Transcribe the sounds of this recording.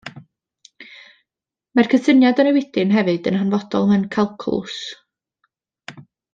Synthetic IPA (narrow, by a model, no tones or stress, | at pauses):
markʰəsənjadənəwɪdɪnɦɛvɨd̥ənhanvɔd̥ɔ̰lˠmɛwnkʰalˠkʰɔ̰lˠʊ̰s